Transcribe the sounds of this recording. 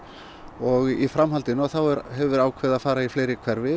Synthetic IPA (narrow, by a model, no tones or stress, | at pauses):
ɔɣifɾamɦalt̪ɪnʏaθawɛɾɦɛvʏɾaːwkʰvɛːðaðfaːɾaifleːjɾɪkʰvɛɾvɪ